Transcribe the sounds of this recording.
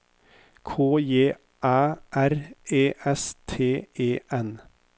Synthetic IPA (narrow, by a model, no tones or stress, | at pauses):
kʰoːjeː | ʔæːʔæɾʔeːʔɛst̪ʰeːeːʔɛn